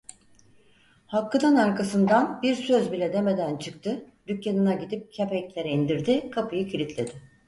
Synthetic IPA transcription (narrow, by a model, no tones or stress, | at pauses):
halˠkːɯd̪anaɾkʰasɯnd̪anbiɾsøzbilʲɛd̪e̞me̞d̪ænt͡ʃʰɯkt̪ʰɯd̪ycjanɯnaɟid̪ip̚cʰepɛclʲeɾɛind̪iɾd̪ɪkʰapʰɯjɯcʰiɾʲit̪ʰlʲe̞d̪ɪ